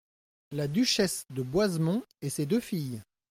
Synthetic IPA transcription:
lad̪yʃɛsd̪əbwazmɔ̃esed̪øfij

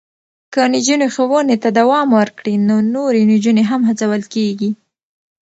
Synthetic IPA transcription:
kənid͡ʒunexəwənet̪ad̪awɑmwəɾkɽinonoɾenid͡ʒuneɦamɦat͡sawəlkeɡi

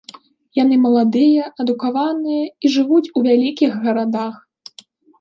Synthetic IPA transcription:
janɨmɐlˠad̪ɨjɐʔɐd̪ukavanɨjɐiʐɨvut͡sʲuvʲalʲikʲiɣɣɐɾad̪ax

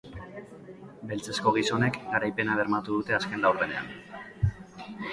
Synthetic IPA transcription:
be̞lt͡se̞sko̞ɣ̞iso̞ne̞kɡaɾajpe̞naβe̞ɾmat̪uð̞ut̪e̞aske̞nlawɾðe̞ne̞a̰n

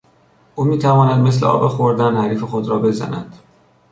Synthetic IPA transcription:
ʔuːmiːt̪ʰævɒːnæd̪me̞sleʔɒ̰ːbexoɾd̪ænhæɾiːfexod̪ɾɒːbe̞zæ̰næd̪̥

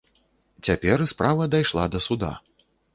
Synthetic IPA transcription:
t͡sʲapʲɛɾɨspɾavɐd̪ajʂlˠad̪ɐsud̪a̰

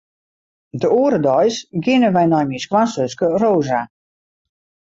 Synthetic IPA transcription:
dəuəɾədɔjsɡɪnəʋɛjnɔjmiskwansøskəroːza

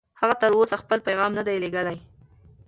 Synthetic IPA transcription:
haɣat̪əɾosaxpəlpajɣɑmnad̪ajleɡəlaj

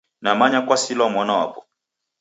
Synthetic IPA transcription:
namaɲakwasilamwanawa̰pɔ̥

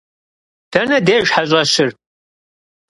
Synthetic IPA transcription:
d̥ɐnɐdeːʒħaɕʼɐɕɪr

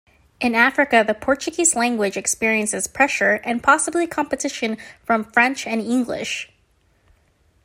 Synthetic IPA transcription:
ʔɨ̃næfɹɨkɨðəpʰɔɹt͡ʃɨɡizlæ̃ŋɡwɪd͡ʒɨkspɪɹiɨ̃nsɨz̥pʰɹ̥ɛʃə˞ʔɨ̃npʰɑsəblikʰɑ̃mpɨtʰɪʃɨ̃nfɹʌ̃ɱfɹɛ̃nt͡ʃɨ̃nɪ̃ŋɡlɪ̰ʃ

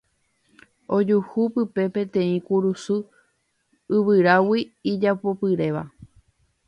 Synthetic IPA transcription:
o̞d͡ʒuhupɨpe̞pẽ̞t̪ẽ̞ĩkuɾusu | ɨʋɨɾawiːd͡ʒapo̞pɨɾe̞ʋa̰

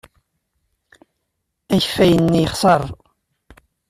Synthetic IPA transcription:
æçfæjənːijχsˤɑɾˤ

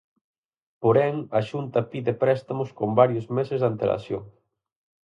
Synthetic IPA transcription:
poɾɛŋɐʃunt̪ɐpiðepɾɛst̪ɐmʊskombaɾjozmesezðant̪ela̰sjo̰ŋ

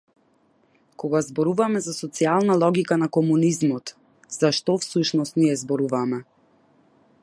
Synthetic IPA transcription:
kɔɡazbɔɾuvamɛzasɔt̪sialˠnalˠɔɡikanakɔmunizmɔt̪ | z̥aʃt̪ɔfsuʃnɔst̪niɛzbɔɾuvamɛ

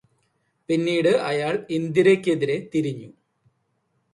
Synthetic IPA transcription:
pinːiːɽɨʔɐjaːɭind̪iɾekʲːe̞ðiɾe̞t̪iɾiɲːu

